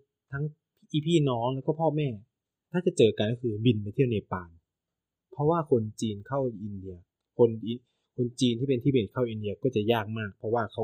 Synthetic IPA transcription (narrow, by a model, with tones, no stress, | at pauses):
t̪ʰa˦˥ŋʰ | ʔiː˧˩pʰiː˥˩nɔː˦˥ŋlɛː˦˥wkɔː˥˩pʰɔː˥˩mɛː˥˩ | t̪ʰaː˥˩t͡ɕa˨˩t͡ɕɤː˨˩ka˨˧nkɔ˥˩kʰɯː˧bi˧˩npa˧t̪ʰi˥˩əwna˧˩paː˧˩n | pʰɾɔ˦˥waː˥˩kʰo˧nt͡ɕiː˧nkʰa˥˩wʔi˧ndi˧ɐ | kʰo˧ni˧ | kʰo˧nt͡ɕiː˧nt̪ʰiː˥˩pe˧nt̪ʰiː˥˩be˨˩n̚kʰa˥˩wʔi˧ndi˧ɐkɔː˥˩t͡ɕa˨˩jaː˥˩k̚maː˥˩k̚pʰɔ˧˥waː˥˩kʰa˦˥